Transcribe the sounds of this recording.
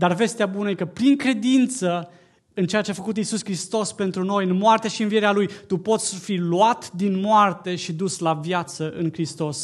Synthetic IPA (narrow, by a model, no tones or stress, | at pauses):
d̪arve̞st̪eabunəjekəpɾiŋkɾe̞d̪int̪sə | ɨnt͡ʃeat͡ʃeafəkut̪isuskɾist̪o̞spe̞nt̪ɾuno̞jɨnmoart̪eʃiɨnvie̞ɾealujt̪upo̞t̪sʲfiluat̪d̪inmoart̪e̞ʃid̪uslavjat̪səʔɨ̰ŋkɾist̪o̞s